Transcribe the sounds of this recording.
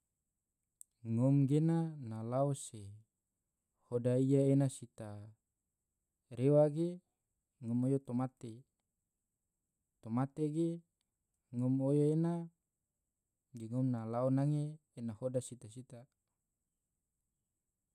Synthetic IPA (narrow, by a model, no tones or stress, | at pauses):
ŋomɡenanalaose | hodaijaenasit̪a | ɾewaɡe | ŋomojot̪omat̪e | t̪omat̪eɡe | ŋomojoena | ɡeŋomnalaonaŋeː | nahodasit̪asit̪a